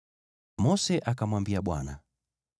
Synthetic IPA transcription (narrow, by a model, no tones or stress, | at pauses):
mɔsɛʔakamwambiaɓwa̰na